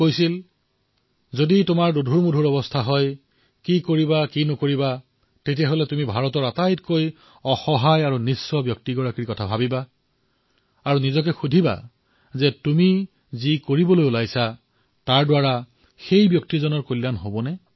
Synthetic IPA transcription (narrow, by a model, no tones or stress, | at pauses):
kojsil | zoditʊmaɹdudʱuɹmudʱuɹɔbɔstʰaɦɔj | kikoɹibakinɔkoɹiba | tetijaɦolɛtumibʱaɹɔtɔɹatajtkoj | ɔxɔɦajaɹunisːɔbjɔk̚tiɡɔɹakɹikɔtʰabʱabiba | aɹunizɔk̬ɛxudʱiba̰ | zɛtumi | zikoɹibɔlojulajsa | taɹdwaɹa | xejbjɔk̚tizɔnɔɹkolːanɦobɔnɛ